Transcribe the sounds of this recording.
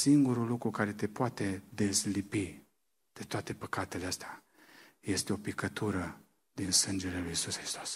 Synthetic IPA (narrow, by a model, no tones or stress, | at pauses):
siŋɡuɾulukɾukaɾe̞t̪e̞poat̪e̞d̪e̞slipi | d̪̥e̞t̪oat̪e̞pəkat̪e̞leəst̪ea | je̞st̪eo̞pikət̪ʰuɾə | d̪insɨnd͡ʒe̞lelujisusxɾist̪o̞s